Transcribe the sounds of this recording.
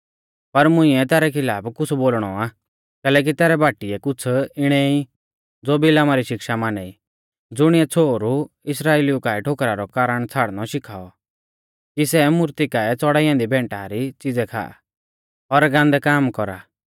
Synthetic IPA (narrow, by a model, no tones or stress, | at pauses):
pɐɾmʊ̃ĩɛt̪ɛːɾɛkʰɪlaːpkʊt͡sʰboːlɽ̃ɔa | kɛːlɛk̬it̪ɛːɾɛbaːʈiɛkʊt͡sʰɪɽ̃ɛi | d͡zoːbilaːmaɾiʃɪkʃamaːnɛi | d͡zʊɽ̃iɛt͡sʰoːɾu | ɪsɾaːeːliukaːɛʈʰokɾaɾɔkaːɾəɽ̃t͡sʰaːɽnɔʃɪkʰaːɔ | kisɛmʊɾt̪ikaːɛt͡sɔɽaiãnd̪ibʱɛ̃ːɳʈaɾit͡sɪd͡zɛkʰa̰ːa̰ | ɔɾɡãːnd̪ɛkaːmkɔɾa̰